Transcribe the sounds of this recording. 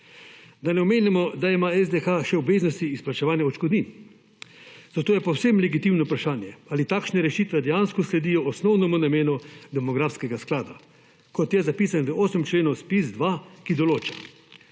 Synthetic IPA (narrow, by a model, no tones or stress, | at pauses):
d̪anɛɔmeːnimɔd̪aimaɛzd̪ɛxaʃɛɔbʋeːznɔst̪iːsplat͡ʃɛʋaːnjaɔt͡ʃkɔd̪nin | zat̪oːjɛpɔwsemlɛɡit̪imnɔpɾaʃaːnjɛaːlit̪akʃnɛɾɛʃiːt̪ʋɛd̪ɛjanskɔslɛd̪ijɔɔsnɔwnɔmunameːnɔd̪ɛmɔɡɾaːfskɛɡasklaːd̪a | kɔt̪jɛzapiːsanvəʔoːsəmt͡ʃleːnɔwspizd̪ʋakid̪ɔloːt͡ʃḁ